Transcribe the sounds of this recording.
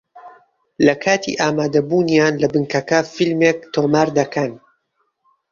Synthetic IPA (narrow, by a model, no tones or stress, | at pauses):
lɐkʰaːt̪ʰḭːʔaːmaːd̪ɐbuːnjaːnlɐbɨŋkɐkɐfilmek̚t̪ʰoːmaːɾd̪ɐkɐn